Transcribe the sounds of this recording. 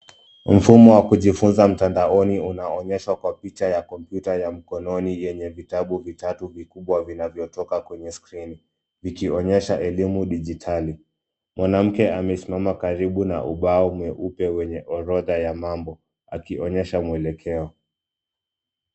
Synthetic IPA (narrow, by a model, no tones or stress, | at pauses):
m̩fumɔwakuʄifunzam̩tandaɔniunaɔɲɛʃwakwapit͡ʃajakɔmpjutajam̩kɔnɔnijɛɲɛvitaɓuvitatuvikuɓwavinavjɔtɔkakwɛɲɛskɾini | vikiɔɲɛʃaʔɛlimuɗiʄitʰali | mwʔanam̩kɛamɛsimamakaɾiɓuna̰ʔuɓaɔmɛʔupɛwɛɲɛʔɔɾɔðajamambɔ | a̰kiʔɔɲɛʃamwɛlɛkʰɛɔ